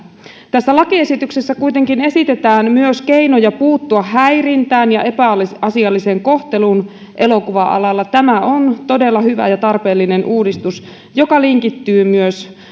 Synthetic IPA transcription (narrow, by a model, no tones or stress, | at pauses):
t̪æsːælɑkie̞sit̪yksesːækujt̪e̞ŋkine̞sit̪e̞t̪æːnmyøske̞ino̞jɑpuːt̪ːuɑːæjrint̪æːnjɑʔe̞pælsɑsiɑlːise̞ŋko̞ht̪e̞lun | ʔe̞lo̞kuʋɑʔɑ̰lɑlːɑt̪æmæo̞nt̪o̞de̞lːɑhyʋæ̰jɑt̪ɑrpe̞ːlːine̞nʔuːdist̪us | jo̞kɑliŋkit̪ːyːmyøs